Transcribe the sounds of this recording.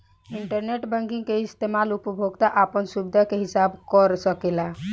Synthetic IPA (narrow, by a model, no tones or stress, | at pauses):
iɳʈəɾneʈbə̃ŋkĩŋkeist̪emalupəbʱoɡt̪aʔapənsubd̪ʱakeɦisabkəɾsəkela